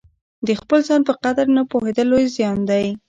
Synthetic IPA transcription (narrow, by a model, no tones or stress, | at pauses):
d̪əxpəlzɑnpəqad̪aɾnapohed̪əlojzjɑnd̪aj